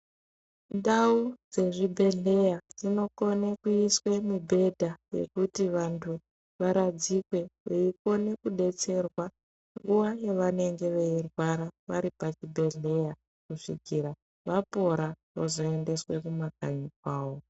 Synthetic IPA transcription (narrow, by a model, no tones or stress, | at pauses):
ndaud͡ze̞ʐibʱe̞ɮe̞jad͡zino̞konekuiswe̞mibʱe̞dʱaje̞̰kutiʋantʰu | ʋaɾad͡zikwe̞eiko̞ne̞kuɗe̞t͡se̞rwa | ŋɡuʋajeʋane̞ŋɡe̞ʋeirwaɾaʋaɾipat͡ʃibʱe̞ɮe̞ja | kuʂiɡʱiːɾa | ʋapo̞ɾa | ozoende̞swe̞kumakaɲikwaːwo̞